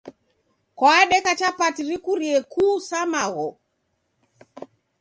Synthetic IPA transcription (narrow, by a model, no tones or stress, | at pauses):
kwaaɗɛkat͡ʃapatiɾikuɾiɛkuːsamaɣɔ